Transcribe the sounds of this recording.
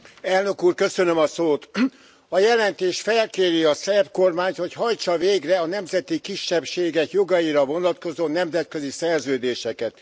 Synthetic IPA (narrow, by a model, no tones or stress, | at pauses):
ɛlnø̞kuːrkø̞sønø̞mɒsoːt̪ | ɒjɛlɛnt̪eːʃfɛlkeːɾiɒsɛrbko̞rmaːɲt̪ho̞chɒjt͡ʃɒveːɡrɛɒnɛmzɛt̪ikiʃːɛpʃeːɡɛkjo̞ɡɒiɾɒvo̞nɒt̪ko̞zoːnɛmzɛt̪̚kø̞zisɛrzøːd̪eːʃɛkɛt̪